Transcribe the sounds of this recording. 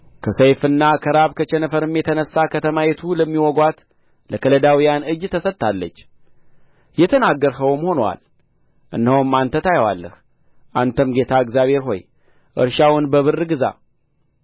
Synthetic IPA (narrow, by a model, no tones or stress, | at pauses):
kʰəsəjfɨnːakʰəɾaβkʰət͡ʃɛnəfəɾɨmjɛt̪ʰənəsːakʰət̪ʰəmajɛt̪ʰuləmːiwɔɡwat̪ | ləkʰələd̪awijanɨd͡ʒt̪ʰəsət̪ːʰalːət͡ʃː | jɛt̪ʰənaɡːəɾɦəwmho̞nwa̰l | ʔɨ̰nːəwmːant̪ʰət̪ajwa̰lːə̰h | ʔant̪ʰəmɡe̞t̪ʰaɨɡzjaβhe̞ɾɦo̞̰j | ʔɨ̰ɾʃawʊnbəβɨrːɨɡɨza̰